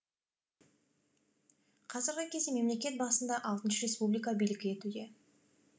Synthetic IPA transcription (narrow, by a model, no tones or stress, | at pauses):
qʰɑzəɾɡʲɪkʲʰe̞zd̪eme̞mle̞kʲe̞t̪̚bɑsənd̪ɑʔɑlˠt̪ənʃəɾe̞spublijk̬abijlɪɡʲɪe̞t̪ud̪e̞